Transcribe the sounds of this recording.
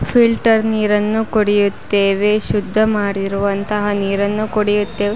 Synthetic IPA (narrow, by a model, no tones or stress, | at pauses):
fʰilʈɐɾniːɾɐnːukoɽijut̪ːeːʋeʃud̪ʱːɐmaːɽiɾuʋɐnt̪ɐɦɐniːɾɐnːukoɽijut̪ːeːʋe